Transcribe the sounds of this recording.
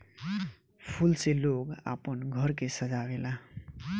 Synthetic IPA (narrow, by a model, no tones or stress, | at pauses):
pʰulseloɡa̰pənɡʱʌɾkesəd͡ʒabela